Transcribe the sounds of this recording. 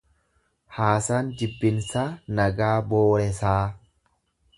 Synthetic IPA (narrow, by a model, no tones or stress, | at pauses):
haːsaːnd͡ʒɪbːɪnsanɐɡaːboːɾɛsaː